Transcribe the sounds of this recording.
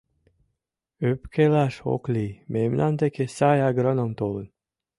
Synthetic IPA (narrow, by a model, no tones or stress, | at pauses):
øpkʰelaʃo̰klʲimemnʔant̪ekesajaɡɾonomt̪olˠɯn